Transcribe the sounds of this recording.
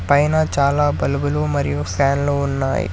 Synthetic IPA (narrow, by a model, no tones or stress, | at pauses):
pɐjnaːt͡ʃaːlaːbɐlbəloːmɐɾjofɛːnloʊnːa̰ːḭ